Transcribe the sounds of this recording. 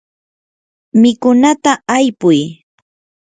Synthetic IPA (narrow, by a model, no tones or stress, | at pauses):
mɪkʊnat̪aːjpʊj